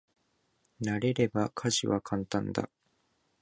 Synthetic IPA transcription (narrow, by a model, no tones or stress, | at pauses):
naɾe̞ɾe̞bakʰaʑiβakʰãnt̪ãnd̪a̰